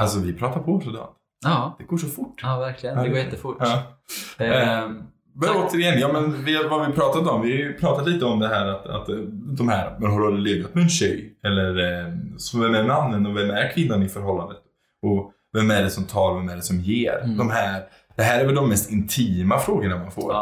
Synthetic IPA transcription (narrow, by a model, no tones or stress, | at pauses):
als̬ɔvɪpʰɾɑːt̪aɾpʰɔsɔd̪ɑ̰ːnt̪ː | d̪̥ɛɡoːʂɔfʊʈːvæɾklɪəɡoːjɛt̪ːəfʊɑː | vaɾoːt̪əɾɪjɛnːjɑːmɛnvɪavavɪpʰɾɑːt̪at̪ɔmvɪhajpʰɾɑːt̪at̪liːt̪əɔmd̪ɛɦæːɾat̪a̰t̪d̪ɔmhæːɾmɛnɦaɖɵalɾəleːvat̪̚mɛɛːnɕœjɛlːəɾsɔvɛmæɾmanːənɔvɛmæɾkʰvɪnːanɪfœɾɦɔlːand̪ət̪ | ɔ | vɛmæɖɛsɔmt̪ʰɑːɾvɛmæɖɛsɔmjeːɾd̪ɔmɦæːɾ | d̪̥ɛɦæːɾæɾvɛld̪ɔmːɛst̪ɪnt̪ʰiːmafɾoːɡəɳamanfo̰ːɾ